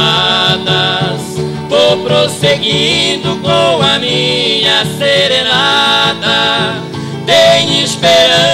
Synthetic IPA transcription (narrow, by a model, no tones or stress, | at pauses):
ad̪ɐs | poɾpɾoseɡid̪ʊkõɐmĩɲɐseɾenad̪ɐ | t̪ej̃ispeɾɐ̃